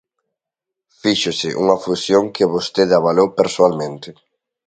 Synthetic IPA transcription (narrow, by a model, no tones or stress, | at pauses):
fiʃʊsɪʔṵŋɐfusjoŋkɪβost̪eðaβalowpeɾsoalmẽnt̪ɪ